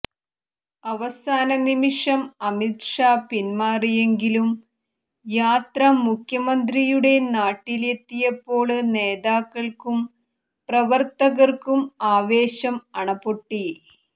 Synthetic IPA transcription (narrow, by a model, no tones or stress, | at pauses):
ɐʋɐsaːnɐnimiʂɐmɐmit̪ʂaːpinmaːrije̞ŋɡilum | jaːt̪rɐmukʰjɐmɐnd̪rijuɽe̞naːʈːile̞t̪ːijɐpːo̞ːɭɨne̞ːðaːkːɐɭkum | prɐʋɐrt̪ɐɣɐrkumaːʋe̞ːɕɐmɐɳɐpoʈːi